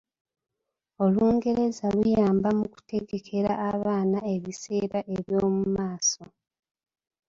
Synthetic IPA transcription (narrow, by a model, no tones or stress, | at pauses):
o̞luːŋɡe̞ɾe̞zalujaːmbamuku̥te̞ɡe̞kʰe̞ɾaːβaːnae̞βise̞ːɾaʔe̞βjo̞ːmumaːso̞